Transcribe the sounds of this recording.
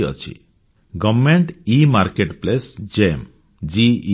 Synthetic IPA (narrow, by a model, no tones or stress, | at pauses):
ɔ̰t͡ʃʰḭ | ɡɔbmeɳʈimaɾkeʈplesd͡ʒem | d͡ʒi